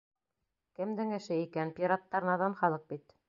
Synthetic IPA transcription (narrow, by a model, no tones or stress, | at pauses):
kɘ̆md̪ɘŋɘ̆ʃɘikænpʲiɾat̪ːɑɾɤnɑðɑnχɑlˠɤq̚bit̪